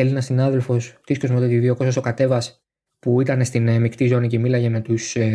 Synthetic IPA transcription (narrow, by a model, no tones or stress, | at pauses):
e̞linɐsinɐðe̞lfo̞st̪isko̞zmot̪et̪iðio̞ko̞s̬oso̞kɐt̪e̞vɐs | puit̪ɐne̞st̪inmikt̪izo̞nice̞milɐʝe̞me̞t̪us